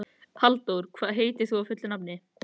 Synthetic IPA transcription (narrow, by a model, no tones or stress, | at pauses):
hʰalt̪owɾ̥kʰvaːðɦeːjt̪ɪ̥θuawfʏt̪lʏnapnɪ